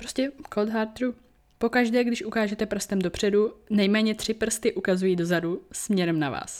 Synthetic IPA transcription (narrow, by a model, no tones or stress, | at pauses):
pɾoscɛkʰold̪ɦaːɾt̪ɾu | po̞kaʒdɛːɡdɪʃʔukaːʒɛt̪ɛpr̩st̪ɛmdo̞pr̝̥ɛdunɛjmɛːɲɛt̪r̝̥ɪpr̩st̪ɪʔukazujiːdo̞zadusmɲɛɾɛmnava̰ːs